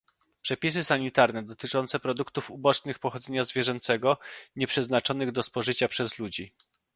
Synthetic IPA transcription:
pʂɛpʲis̬ɘsaɲit̪aɾnɛd̪ɔt̪ɘt͡ʂɔnt̪sɛpɾɔd̪ukt̪ufubɔt͡ʂnɘxpɔxɔd̪zɛɲazvʲjɛʐɛnt̪sɛɡɔɲɛpʂɛznat͡ʂɔnɘɣd̪ɔspɔʐɘt͡ɕapʂɛzlud͡ʑi

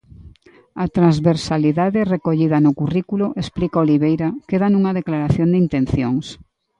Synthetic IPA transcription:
ɐt̪ɾanzβeɾsaliðaðɪrekoʎiðɐnʊkurikulʊʔesplikaoliβejɾɐkeðɐnuŋɐðeklaɾaθjond̪ɪint̪ẽnθjoŋs

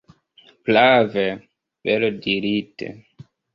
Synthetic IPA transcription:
plave | belodiɾitḛ

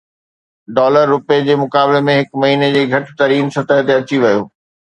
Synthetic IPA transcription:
ɖɔːləɾːʊped͡ʑeːmʊkaːblemẽɦɪkmɐɦiːned͡ʑeːɡʱɐʈɪ̥t̪ɐɾiːnsɐt̪aɦt̪eɐt͡ɕiʋɐjo̰ː

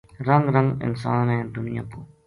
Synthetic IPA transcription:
ɾəŋɡɾə̃ŋɡɪ̰nsaːnɦɛ̃ːd̪ʊnɪjaːpuː

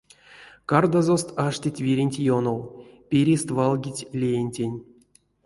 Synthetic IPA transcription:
kard̪azost̪aʂtʲitʲvʲiɾʲinʲtʲjonowpʲeɾʲist̪valˠɡʲit͡sʲlʲejenʲtʲenʲ

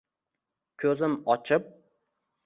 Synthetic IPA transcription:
kʲʰɵzɪmɒt͡ʃʰɪp̚

